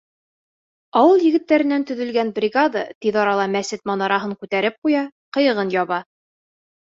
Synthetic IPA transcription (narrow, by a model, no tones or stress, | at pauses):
ɒwɤlˠjɘ̆ɡɘ̆t̪ːæɾɘ̆nænt̪ɵ̆ðɵ̆lɡænbrʲiɡad̪at̪iðɒɾɑlˠɑmæsɘt̪̚mɑnɑɾɑɦɤɴkʉt̪æɾɘp̚qujɑqɤ̆jɤ̆ʁɤnjɒβɑ